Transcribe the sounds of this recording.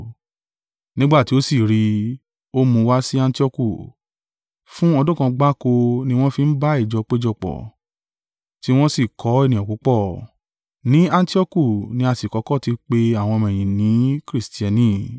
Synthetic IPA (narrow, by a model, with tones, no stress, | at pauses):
nĩ˦ɡ͡ba˦˨ti˨˦o˦si˦˨ɾi˧ | o˦mũ˧˦˧wa˦si˦ã˧n˦ti˦ɔ˦˧ku˦˨ | fũ˦ɔ˧dũ˦kã˧ɡ͡ba˦ko˧nĩ˦w̃ɔ̃˦fi˧n̩˦ba˦i˦˨d͡ʒɔ˧k͡pe˦d͡ʒɔ˧˨k͡pɔ̰˨ | ti˨˦w̃ɔ̃˦si˦˨kʰɔ˨˦e˦˨nĩ˨ɔ̃˨ku˨˦k͡pɔ˦˨ | nĩ˨˦ã˧n˦ti˦ɔ˦ku˦˨nĩ˧˦a˧si˨kɔ˨˦kɔ˦˨ti˧k͡pe˧a˦˨w̃ɔ̃˧mɛ̃˨j̃ĩ˨nĩ˨˦kɾi˦sti˨˦ɛ˧nĩ˦˨